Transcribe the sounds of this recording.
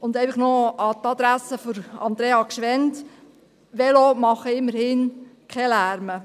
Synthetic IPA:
ʊnd̪ɛɪjfəχnoɑt̪ɑd̪ɾæsːəfɔɾɑ̰nd̪ɾeːɑkʃʋɛnt | ʋɛlomɑχəɪmːəɾhɪnkʰχɛlæːɾmə

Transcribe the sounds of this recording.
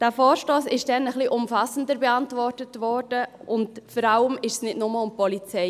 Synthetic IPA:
d̥æːfɔːɾʃtoːsɪʃd̥ɛnəχliʔʊmfɑsəndəɾbɛɑntvɔrtətvɔɾdə | ʔʊntfɔɾɑləmɪʃsnɪdnʊməʊmpɔlit͡sɛɪ

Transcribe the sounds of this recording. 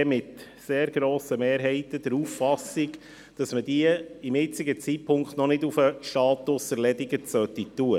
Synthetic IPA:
mɪt̪ | seːɾɡɾoːsəmeːɾɦɛɪt̪əd̥̪əɾuːffɑsiɡ | d̥ɑsməd̥iəɪmɪt͡sɪɡət͡sipʰʊŋkχt̪nɔnɪdufəʃtɑːt̪ʊsəɾlɛdɪɡət͡sœt̪ːitːuə

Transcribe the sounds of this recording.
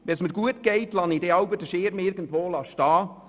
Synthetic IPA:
ʋɛnsməɡuətɡ̥eɪtlɑnideɑwbədəʃɪɾmɪɾɡ̥ən̩tvoːlɑʃtɑː

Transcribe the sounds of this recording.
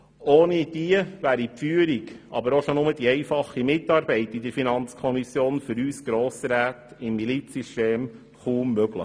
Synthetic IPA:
oːnid̥iəʋæːɾipfyːəɾiɡʔɑ̰bəɾoʃonʊməd̥̪iɛɪfɑχːimɪtːɑːɾbɛɪtɪd̥əɾfinɑnt͡skʰɔmisjoːnfʏɾyːsɡ̥ɾoːsəɾæːt̪ɪmːilit͡systeːm | χuːmːøɡlə̰

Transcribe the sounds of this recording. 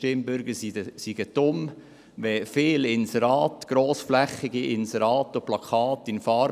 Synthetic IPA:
tɪmbʏɾɡəɾsəsiɡ̥əd̥ʊm | ʋɛfɪːlɪnsɛɾɑːt̪ɡ̥ɾoːsflæχːɪɡ̥iʔɪnsɛɾɑːt̪oplɑkʰɑːt̪ːɪnfɑːɾ

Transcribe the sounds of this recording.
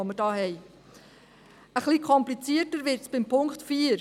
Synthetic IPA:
omədɑːhɛɪ | əχliːkʰɔmplit͡siətəɾʋɪɾtsb̥ɪmpʰʊŋktfiːəɾ

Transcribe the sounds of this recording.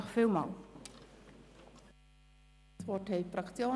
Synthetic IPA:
χfiːlmɑ̰ːl | sʋɔthɛɪfrɑkt͡sjoː

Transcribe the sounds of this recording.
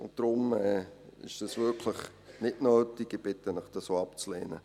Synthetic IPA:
ʊnt̚d̥ɾʊmɛːɪ̰ʃd̥ɑsvɪɐkʰlɪχ | nɪtnøːtiɡib̥ɪtənɪχd̥ɑsoːapt͡slḛːnə̰

